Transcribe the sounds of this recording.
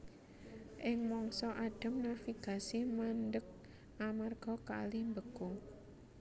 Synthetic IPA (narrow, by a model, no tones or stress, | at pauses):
ʔɪŋmɔŋsɔʔaɖ̥ə̤mnafiɡ̥a̤simandək̚ | ʔamarɡ̥ɔ̤ka̰limbəɡ̥ʊŋ